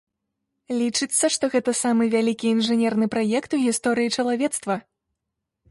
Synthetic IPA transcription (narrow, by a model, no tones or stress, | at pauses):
lʲit͡ʂɨt̪sːɐʂt̪ɔɣɛt̪ɐsamɨvʲalʲikʲiːnʐɨnʲɛrnɨpɾajɛkt̪uɣʲist̪ɔɾɨjit͡ʂɐlˠavʲɛt̪st̪vɐ